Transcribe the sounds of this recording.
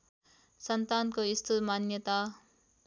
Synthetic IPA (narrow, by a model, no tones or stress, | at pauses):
sʌnt̪aːnkoist̪ʰut̪maːnjət̪a